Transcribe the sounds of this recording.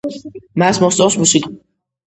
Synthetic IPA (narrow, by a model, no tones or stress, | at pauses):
masmɔst̪sʼɔwsmusikʼ